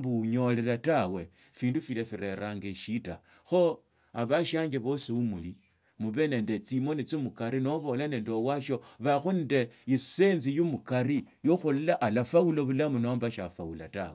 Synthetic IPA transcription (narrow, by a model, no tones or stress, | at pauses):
buɲo̞lelatawe̞ | fiːndufilefiɾe̞ɾaŋɡeʃita̰ | xo | aβaʃaːŋɡeβo̞siumuli | muβe̞ne̞ːndet͡simonit͡simukaɾino̞βo̞lane̞ːndowaʃoβaxunde̞ise̞nzijumukaɾi | joxullaʔalafauloβulamunombaʃafawulata̰we